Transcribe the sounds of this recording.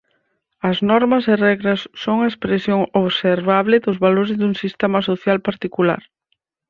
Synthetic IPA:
ɐznɔɾmɐsɪrɛɣɾɐsːoŋɐespɾesjoŋoβseɾβaβlɪðʊzβaloɾezðuŋsist̪ɛmɐsoθjalpaɾt̪ikula̰ɾ

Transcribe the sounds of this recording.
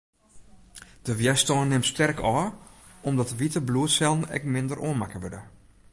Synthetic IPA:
d̥əʋjɛstɔːnːɪmstʰɛrkʰɔːɔmdɔtəʋitəbluətsɛlˠn̩ɛ̰kmɪndərʔo̰ənmakəʋødə

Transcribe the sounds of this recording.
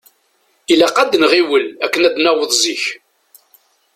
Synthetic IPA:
ilæqæd̪nʁiwəlækːənæd̪næwəðˤziç

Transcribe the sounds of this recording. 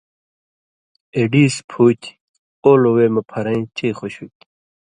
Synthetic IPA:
eɖiːspʰuːt̪ | oːloweːmɐpʰɐɾɐ̃ĩt͡ɕeːχoɕut̪ʲ

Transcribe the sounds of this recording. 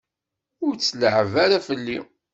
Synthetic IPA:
ʊɾt͡sːləʕvaɾafəlːḭ

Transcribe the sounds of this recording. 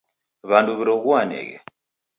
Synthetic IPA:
βanduβiɾɔɣuanɛ̰ɣɛ̰

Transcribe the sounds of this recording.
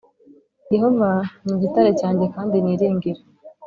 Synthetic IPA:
iɦomaɲiɟitaɾecaːɲɟekaːndiniːɾeːŋɡeɾe

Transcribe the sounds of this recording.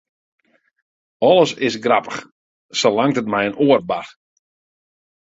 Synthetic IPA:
ɔlˠəsɪsɡrapəχ | səlaŋtətmɛjənoər̚bar

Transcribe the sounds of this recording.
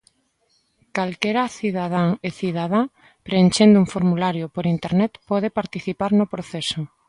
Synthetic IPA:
kalkeɾaθiðað̞aŋeθiðaða | pɾenʲt͡ʃend̪uŋfoɾmulaɾjopoɾint̪eɾnet̪pɔð̞epaɾt̪iθipaɾnopɾoθeso

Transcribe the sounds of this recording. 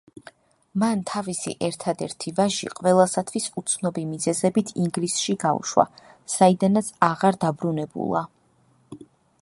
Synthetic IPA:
mant̪ʰavisḭʔɛɾt̪ʰad̪ɛɾt̪ʰivaʒḭqʼvɛlˠasat̪ʰwisut̪sʰnɔbimizɛzɛbit̪ʰiŋɡlisʃiɡaṵʃwa̰ | said̪anat̪sʰaʁaɾd̪abɾunɛbṵlˠa̰

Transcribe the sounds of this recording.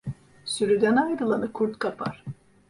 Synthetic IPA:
syɾyd̪ænajd̪ɯlˠanɯkʰuɾt̪kʰapʰa̰ɾ̥

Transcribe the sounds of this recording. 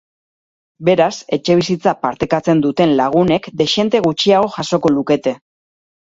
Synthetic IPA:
be̞ɾase̞t͡ʃe̞β̞isit͡sapaɾt̪e̞kat͡se̞nd̪ut̪e̞nlaɣ̞une̞kd̪e̞ʃe̞nt̪e̞ɣ̞ut͡ʃiaɣo̞ʝaso̞ko̞luke̞t̪e̞

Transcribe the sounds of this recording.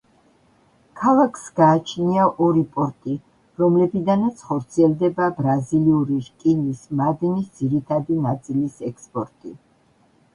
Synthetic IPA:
kʰalˠakʰsɡaːt͡ʃʰniaʔɔɾipʼɔɾt̪ʼi | ɾɔmlɛbid̪anat̪sʰχɔɾt̪sʰiɛlˠd̪ɛbabɾaziliuɾiʃkʼinismad̪nisd̪z̥iɾit̪ʰad̪inat̪sʼilisɛkspʼɔɾt̪ʼi

